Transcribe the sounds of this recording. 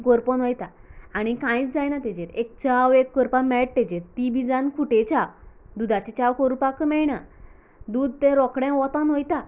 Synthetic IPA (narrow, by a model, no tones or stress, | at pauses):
ɡɔɾpɔnʋɔjt̪aːɽ̃ikãĩt͡sd͡zajnat̪ɛd͡ʑeɾek̚t͡ɕawekːəɾpamɛʈ̚t̪ɛd͡ʑeɾt̪ibʱid͡zankʰuʈet͡ɕaw | d̪ud̪at͡ɕit͡ɕawkɔɾupakəmɛɭɳa | d̪uːd̪̚ʱt̪ɛ̃ɾɔkɽɛ̃ʋɔt̪ãnʋɔjt̪a